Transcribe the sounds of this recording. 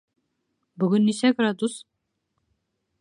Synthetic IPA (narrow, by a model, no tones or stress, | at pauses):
bɵɡɵnːisæɡrad̪us